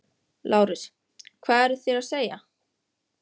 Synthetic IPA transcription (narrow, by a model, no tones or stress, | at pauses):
lʔaːwɾɪs | kʰvaːɛɾθjɛɾaðseːja